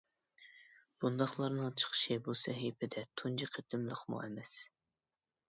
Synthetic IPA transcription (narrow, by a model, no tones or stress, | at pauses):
b̥und̪ɑχlˠɑɾnɨŋt͡ʃʰə̥χə̥ʃibusɛɦipʰɪd̪ɛt̪ʰund͡ʒiqʰet̪ʰɪmlˠəχmṵʔɛmɛs